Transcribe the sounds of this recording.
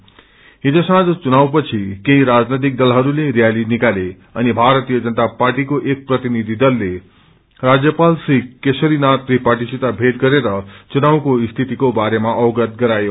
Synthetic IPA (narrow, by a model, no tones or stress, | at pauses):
ɦid͡zõsãd͡zt͡sunawpʌt͡sʰikeiɾad͡znet̪̬ik̚d̪ʌlɦʌɾuleɾijalinikale | ʌnibʱaɾʌt̪ijʌd͡zʌnt̪apaɾʈikoʔek̚prʌt̪inid̪ʱid̪ʌlːe | rad͡zjʌpalsikesʌɾinat̪̚ɾipaʈisit̪abʱeʈ̪̚ɡʌɾeɾʌt͡sunawkoist̪ʰit̪ikobaɾemaʔʌɡət̪̚ɡʌɾajo